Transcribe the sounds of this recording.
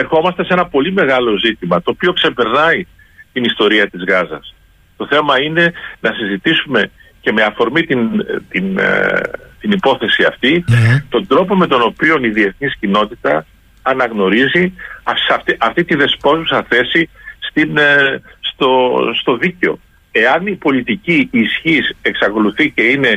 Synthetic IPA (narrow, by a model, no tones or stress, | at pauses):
e̞ɾxo̞mɐst̪e̞se̞nɐpo̞lime̞ɣɐlo̞zit̪imɐt̪o̞ːpio̞kse̞pe̞ɾnɐi | t̪inist̪o̞ɾiɐt̪izɣɐzɐ̰s | t̪o̞θe̞mɐine̞nɐsizit̪isume̞ | ce̞me̞ɐfo̞ɾmit̪int̪in | t̪inipo̞θe̞siɐft̪it̪o̞nd̪ɾo̞po̞me̞t̪o̞no̞pio̞niðie̞θniscino̞t̪it̪ɐː | nɐɣno̞ɾiziɐsɐt̪ʔɐft̪it̪iðe̞spo̞zusɐθe̞sist̪inst̪ost̪o̞ðiceo̞̰ | e̞ɐnipo̞lit̪iciisçiseksɐko̞luθice̞ine̞